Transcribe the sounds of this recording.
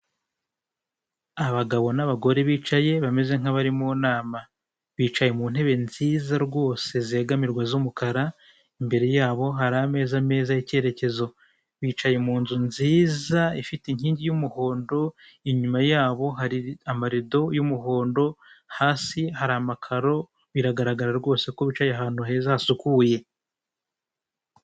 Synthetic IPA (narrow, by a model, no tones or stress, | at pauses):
aβaɡaβo̞naβaɡo̞ɾe̞βiːt͡ʃaje̞βame̞ze̞ŋ̥haβaɾimunaːma | βiːt͡ʃaje̞mun̥he̞βe̞nziːzaɾɡo̞ːse̞zeɡamiɾɡwazumukaɾa | imbe̞ɾe̞jaːβo̞ɦaɾame̞ːzame̞ːzajice̞ːɾe̞ce̞zo̞ | βiːt͡ʃaje̞muːnzunziːzaifiteiɲ̥hiːɲɟijumuho̞ːndo̞ | iɲumajaːβo̞ɦaɾiamaɾido̞jumuɦo̞ːndo̞haːsihaɾiamakʰaɾo̞ | βiɾaɡaɾaɡaɾaɾɡo̞ːse̞ko̞βit͡ʃajeɦaːn̥huɦe̞zasukuje̞